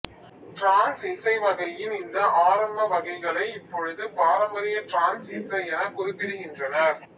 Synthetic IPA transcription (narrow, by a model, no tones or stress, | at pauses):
ʈɾaːnsɪsɐɪʋɐɣɐjɪnɪnd̪ɐʔaːɾɐmbɐʋɐɣɐɪɣɐɭɐɪɪpːɔɻɯðɯpaːɾɐmbɐɾɪjɐʈɾaːnsɪsɐɪɛnɐkːɔðɯpːɪɾɯɣɪndrɐnɐɾ